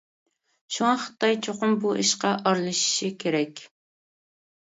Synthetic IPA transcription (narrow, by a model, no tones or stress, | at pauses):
ʃuŋɑχə̥t̪ːɑjt͡ʃʰoqʊmbuʔiʃqɑʔɑɾlˠɨʃi̥ʃikʲʰeɾɛkʲ